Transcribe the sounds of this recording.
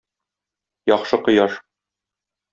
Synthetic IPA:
jɒχʃɤqŏjɑʃ

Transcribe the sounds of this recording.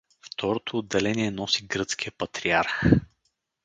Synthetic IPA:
ft̪ɔɾot̪ʰoːd̪ːɛlɛniɛnɔsiɡɾɤt̪skijəpɐt̪ɾiaɾx

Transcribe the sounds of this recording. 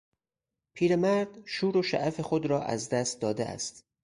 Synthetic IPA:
pʰiːɾemæɾd̪̥ʃuːɾoʃæ̰ʔæfe̞xod̪ɾɒːʔæ̰zd̪æst̪̚d̪ɒːd̪eʔæ̰st̪

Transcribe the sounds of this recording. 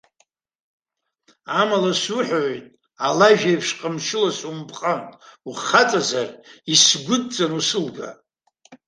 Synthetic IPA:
amalasuħᶣojtʼ | alaʒᶣajpʰʂqʼəmʃɪlasumpʰʼqʼantʼuχat͡sʼazarisɡʷʊd̚t͡sʼanusɨlɡa̰

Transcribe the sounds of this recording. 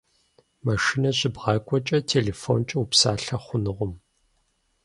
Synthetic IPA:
mɐʃinɐɕɪbʁɑkʷʼɔt͡ʃʼɐtʰeːleːfo̰nt͡ʃʼɐupsaːɬɐχʷʊnɨʁʷʊm

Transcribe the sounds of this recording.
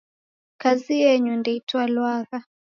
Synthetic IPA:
kazijɛɲundɛitwalwaɣa

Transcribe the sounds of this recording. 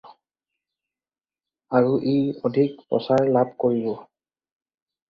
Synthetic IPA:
aɹuʔejodʱikpɹɔ̰saɹlab̚koɹibɔ

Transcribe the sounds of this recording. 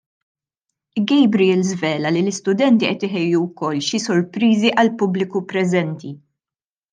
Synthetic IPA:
ɡɛjbɾiɛlzvɛːlɐlilɪst̪ʊd̪ɛnt̪iʔɛt̪ɪɦɛjːuwkɔlːʃisɔɾpɾiːziʔɐlpʊblɪkupɾɛzɛnt̪i

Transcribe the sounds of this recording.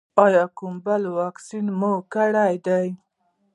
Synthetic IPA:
ɑjɑkʊmbalwɑksinmokaɽajd̪aj

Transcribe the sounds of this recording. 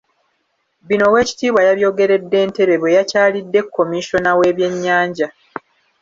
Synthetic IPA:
βino̞we̞ːci̥tiːβwajaβjo̞ːɡe̞ɾe̞dːe̞ːnte̞βe̞βwe̞jacaːlidːe̞kʰːo̞miʃo̞nawe̞ːβje̞ɲːaːɲɟa

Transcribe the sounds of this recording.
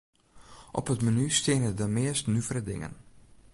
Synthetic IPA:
ʔɔ̰pətmənystɪnədəmɪəstnyvəɾədɪ̰ŋə̰n

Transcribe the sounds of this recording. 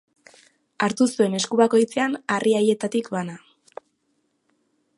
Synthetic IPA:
aɾt̪usue̞ne̞skuβako̞jt͡se̞anariaje̞t̪at̪ikβana

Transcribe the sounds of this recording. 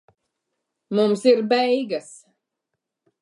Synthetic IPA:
mumsiɾbɛjɡas

